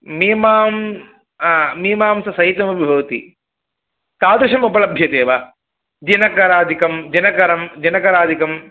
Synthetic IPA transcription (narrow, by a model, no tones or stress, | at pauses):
mimaːmː | miːmaːmsɐsɐɦit̪ːɐmɐbʱibʱɐʋɐt̪ḭ | t̪aːd̪uʂɐmupɐlɐbʱjɐt̪eːʋɐ | d͡ʒinɐkɐɾaːd̪ikɐmd͡ʒinɐkɐɾɐmd͡ʒɐnɐkɐɾaːd̪ʱikɐm